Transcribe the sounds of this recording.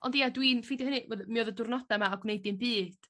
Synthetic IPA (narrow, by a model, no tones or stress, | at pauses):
ɔndijadwinfidjhənɨvəðmiɔðədʊrnɔdamaːɡwnejdɨnbɨːd̥